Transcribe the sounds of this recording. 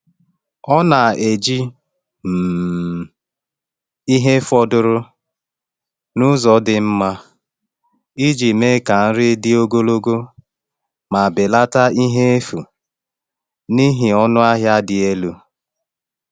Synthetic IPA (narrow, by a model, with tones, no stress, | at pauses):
ɔ˦na˨e˨d͡ʒi˦ | m̩˨ | i˦ɦe˦fɔ˦dʊ˦ɾʊ˦ | nʊ˦zɔ˨dɪ˨m̩˦ma˦ | i˦d͡ʒi˨me˦ka˨n̩˦ɾɪ˦dɪ˦o˦ɡo˦lo˦ɡo˦ | ma˨be˨la˦ta˦i˦ɦe˦e˦fu˨ | ni˦ɦɪ˨ɔ˦nʊ˦a˦ɦja˦dɪ˨e˦lu˦